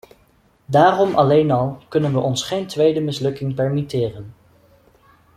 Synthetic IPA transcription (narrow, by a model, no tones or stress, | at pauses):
daːrɔmɑlejnɑlˠkɵnənʋəʔɔnsχejntʋejdəmɪslɵkɪŋpɛɹmitɪːrən